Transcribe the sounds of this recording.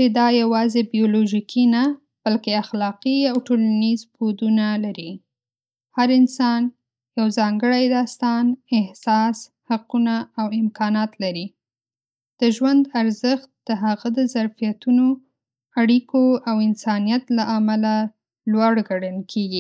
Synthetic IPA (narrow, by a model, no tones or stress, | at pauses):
t͡ʃed̪ɑjawɑzebijoloʒikʰina | b̥alkeaxlɑqiawʈolanizbod̪unalaɾi | haɾɪnsɑn | jawzɑŋɡəɽajd̪ɑst̪ɑnɪhsɑs | haqunaːwɪmkɑnɑt̪laɾi | d̪̥əʒwand̪aɾzəxt̪̚d̪̥əɦaɣad̪əzaɾfijat̪uno | aɽikoawɪnsɑnijat̪laʔamala | lwaɽɡaɽəlkʰeɡi